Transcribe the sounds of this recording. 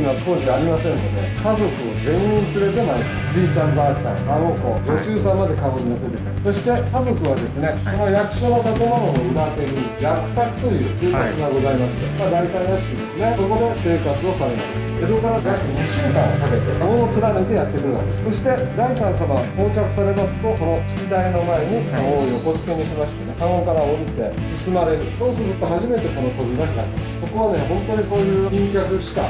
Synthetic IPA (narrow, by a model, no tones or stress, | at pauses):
imat̪ʰo̞ːʑiaɾʲimasẽ̞nːod̪ḛkazo̞kɯ̟ozẽ̞ɰ̃ĩnt͡sɨɾe̞t̪e̞maɾi | d͡ʑiːt͡ɕãmbaːkã̰aoko̰d͡ʑo̞t͡ɕɨːsãmːad̪e̞kaoɾinoset̪easo̞ɕi̥t̪e̞kazo̞kɯ̟βad̪e̞sɨne̞sonojakɯ̟̥ɕo̞nat̪at̪omanooɯɾat̪eɾɯ̟ | jakɯ̟̥t̪akɯ̟̥t̪o̞jɯ̟ːsɯːkasɨɡaɡo̞zaimasɨ̥d̪emad̪ait̪ainaɕi̥kʲid̪e̞sɨne̞so̞ko̞d̪e̞se̞ːkat͡sɨo̞saɾe̞masɨ̥ | d̪esokaɾakaakoɲiɕɯːkãɰ̃okake̞t̪e̞mono̞t͡sɨɾanet̪e̞jat̪ːeɾɯɾɯβa̰keso̞ɕi̥t̪e̞d̪aikãɰ̃saβahoːt͡ɕakɯ̟̥saɾe̞masɨ̥t̪o̞ko̞no̞t͡ɕi̥id̪aino̞mae̞ɲ̟iooio̞ko̞t͡sɨ̥keɲ̟iɕimaɕi̥t̪enekaokaɾaoɾit̪e̞sɨsɨmaɾe̞ɾɯ̟so̞ːsɨɾɯt̪o̞ɦaʑime̞t̪e̞ko̞nokoɡɯ̟ɡaa̰ɾimasso̞ko̞βane̞ɦõ̞nt̪o̞ɲ̟iko̞ːjɯ̟ːĩŋkʲakɯ̟ɕi̥ka̰